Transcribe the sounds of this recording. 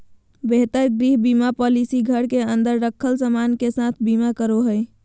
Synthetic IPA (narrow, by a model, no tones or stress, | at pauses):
beɦt̪əɾɡɾiɦbimapɔlisiɡʱəɽkeənd̪əɾːəkʰːəlsəmankesãt̪ʰbimakəɾoɦəj